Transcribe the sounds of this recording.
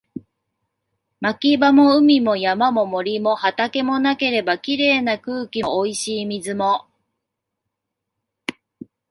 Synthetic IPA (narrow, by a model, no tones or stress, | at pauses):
makʲibamo̞ɯ̟mʲimo̞jamamo̞mo̞ɾʲimo̞hat̪ake̞mo̞nake̞ɾe̞bakʲiɾe̞ːnakɯ̟ːkʲioiɕiːmʲizɨmo̞